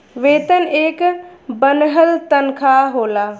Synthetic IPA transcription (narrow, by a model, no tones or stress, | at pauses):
ʋeːt̪əneːkbənɦəlt̪ənkʰaːɦoːlaː